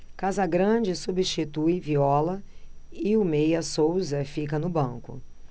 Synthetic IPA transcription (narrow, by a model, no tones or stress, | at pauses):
kazɐɡɾɐ̃d͡ʒɪsubiʃt͡ʃit̪ujviɔlɐɪʊmejɐsowzɐfikɐnʊbɐ̃kʊ̰